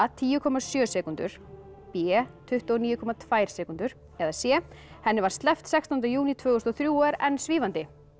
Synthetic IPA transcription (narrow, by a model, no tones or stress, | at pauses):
at̪ʰiːjʏkʰɔmːasjœːsɛːkunt̪ʏ̰ɾ̥ | pjɛt̪ʰʏht̪ɔɔniːjʏkʰɔmat̪ʰvaːjɾ̥sɛːkunt̪ʏɾ̥ | ɛðasjɛhɛnːɪvaɾ̥st̪lɛft̪sɛkst̪ɔnt̪̬ɪjuːnit̪ʰvœːɣʏst̪ɔθɾjuːɛɾɛnːsviːvant̪ɪ